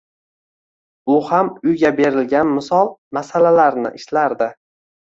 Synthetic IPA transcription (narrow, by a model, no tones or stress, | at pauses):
ʊhamʊjɡʲabe̞ɾɪlɡʲanmɪsɒlˠmasalalaɾnɪ̰ʔɪʃlaɾd̪ɪ